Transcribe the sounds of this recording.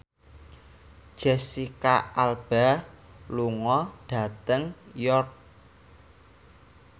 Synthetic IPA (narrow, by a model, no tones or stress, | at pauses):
ʒ̥ɛsikaalb̥aluŋɔɖ̥a̤t̪əŋjɔrk̚